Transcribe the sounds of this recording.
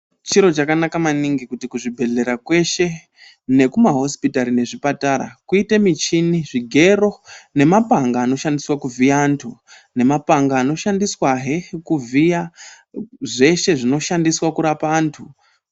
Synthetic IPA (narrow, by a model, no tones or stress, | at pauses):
t͡ʃiɾo̞t͡ʃakanakamaniŋɡikutikuʐibʱe̞ɮe̞ɾakwe̞ʃe̞ | ne̞kumaɦo̞spitaɾine̞ʐipataɾa̰kuite̞mit͡ʃiniʐiɡʱe̞ro̞ne̞mapaŋɡaːno̞ʃandiswakuvʱiantʰu | ne̞mapaŋɡaːno̞ʃandiswaɦekuvija | ʐe̞ʃe̞ʐino̞ʃandiswakuɾapaaːntʰu